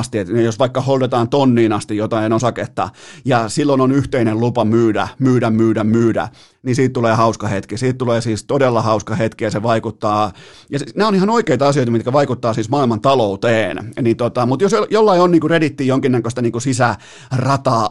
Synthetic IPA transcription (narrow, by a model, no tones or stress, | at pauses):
st̪iet̪nejosʋɑikːɑhold̪et̪ɑːnt̪onːiːnɑst̪ijot̪ɑinosɑket̪ːɑ̰jɑsilːononyht̪einellupɑmyːdæ̰myːdæmmyːdæmmyːdæ̰ | nisiːt̪t̪uleːhɑuskɑhet̪kisiːt̪t̪uleːsiːst̪odelːɑhɑuskɑhet̪kijɑseʋɑikut̪ːɑː | jɑsneonihɑnoikeit̪ɑɑsioit̪ɑmit̪kæʋɑikut̪ːɑːsiːsmɑːilmɑnt̪ɑlout̪eːnnit̪ot̪ɑmut̪josjolːɑionniːkuredit̪ːiːjoŋkinːækøst̪ɑniːŋkusisæ | rɑt̪ɑː